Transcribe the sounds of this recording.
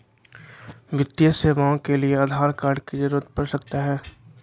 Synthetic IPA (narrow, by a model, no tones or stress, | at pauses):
ʋɪt̪ːjəseːʋaõkelieaːd̪ʱaːɾkaːɾɖkid͡ʒɐɾuət̪̚pɐɾsɐk̚t̪aɦɛː